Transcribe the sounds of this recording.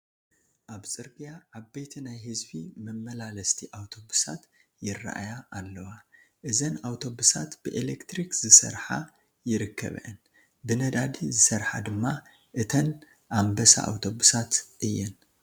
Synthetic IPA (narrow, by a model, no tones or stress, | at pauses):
ʔaβt͡sʼɨɾɡijaaβbejt̪ʰinajhɨzbimɨmːɐlalɐst̪ʰiʔawt̪ʰo̞busat̪ | jɪrːa̰ʔa̰jaʔːlːɐwa | ʔɨzɐnawt̪ʰo̞busat̪b̥ɨʔelekt̪ɾikzɨsɐ̰ɾħa̰ | jɪɾɨkːɐ̰β̰ʔɐn | bɨnɐd̪ad̪izɨsɐɾħad̪ɨmːa | ʔɨt̪ʰɐn | ʔambɐsa̰ʔa̰wt̪ʰo̞busat̪ʔɨjːɛn